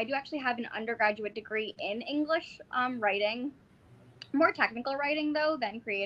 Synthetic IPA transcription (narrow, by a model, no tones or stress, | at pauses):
ɪdɨæk̚t͡ʃʉl̩ˠiəvɨ̃nʌ̰̃ndə˞ɡɹæd͡ʒʉɨt̚d̥ɨɡɹiʔɪ̃nɪ̃ŋɡlɪʃʔʌ̃mɹaɪɾɪ̃ŋ | mɔɹtʰɛk̚nɨkl̩ˠɹaɪɾɪ̃ŋðoʊðɨ̃nkʰɹ̥ieɪ